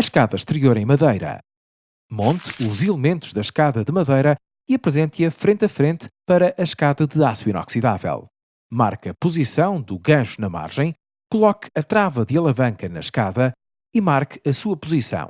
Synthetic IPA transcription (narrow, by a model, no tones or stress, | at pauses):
ɐʃkaðɐʃt̪ɨɾioɾɐ̃j̃mɐðɐjɾɐ̰ | mõnt̪uzilˠɨmẽnt̪u̥ʒðɐʃkaðɐðɨmɐðɐjɾɐ | iɐpɾɨzẽnt̪iɐfɾẽnt̪ɐfɾẽnt̪pɐɾɐʔɐʃkaðɐðɨaswinɔ̰ksiða̰vɛ̰lˠ | ma̰ɾkɐpuzisɐ̃w̃d̪uɣɐ̃ʒunɐma̰ɾʒɐ̃j̃ | kulˠɔkɐt̪ɾavɐðɨɐlˠɐvɐ̃ŋkɐnɐ̰ʃkaðɐ | imaɾkɐsuɐpuzisɐ̰̃w̃